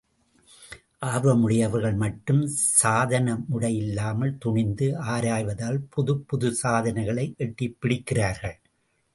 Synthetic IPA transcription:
ʔaːɾʋɐmʊɽɪjɐʋɐɾɣɐɭmɐʈːɯmsaːðɐnɐmʊɽɐjɪlːaːmɐlt̪ʊɳɪnd̪ɯaːɾaːjʋɐðaːlpʊðɯpːʊðɯsaːðɐnɐɪɣɐɭɐɪʔɛʈːɪpːɪɽɪkːɪraːɾɣɐɭ

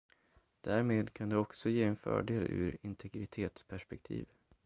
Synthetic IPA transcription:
d̪̥æːɾmeːd̪kʰand̪ɛɔksɔjeːɛnfœ̰ːɖeːlʔɵ̟̰ːɾɪnt̪ʰɛɡɾɪt̪ʰeːt̪spʰæʂpɛk̚t̪ʰḭːv

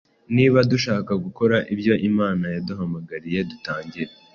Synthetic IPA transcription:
niːβaduʃaːkaɡuko̞ɾaʔibjo̞ʔimaːnajaduɦamaɡaɾije̞dutaːɲɟiɾe

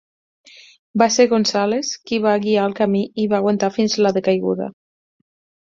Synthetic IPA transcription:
baseɾɣonsaleskiβaɣiaːlˠkamiiβaːɣwant̪afinzlaðekajɣṵða̰

